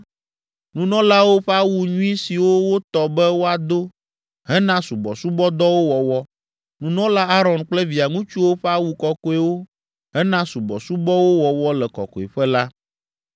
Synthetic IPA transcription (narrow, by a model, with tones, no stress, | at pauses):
nũ˨nɔ̃˦la˦wo˦ɸɛ˦a˦wu˨ɲũ˦i˦si˨wo˦wo˦t̪ɔ˨bɛ˦wo˦a˨d̪o˦ | ɦɛ˦nã˦su˨bɔ̰˨su˦bɔ˦d̪ɔ˦wo˦wɔ˨wɔ˦ | nũ˨nɔ̃˦la˦a˦ɾɔ˨nk͡plɛ˦vi˨a˨ŋũ˦t͡ʃu˦wo˦ɸɛ˦a˦wu˨kɔ˨kɔ˦e˦wo˦ | ɦɛ˦nã˦su˨bɔ̰˨su˦bɔ˦wo˦wɔ˨wɔ˦lɛ˨kɔ̰˨kɔ˨ḛ˨ɸɛ˦la˦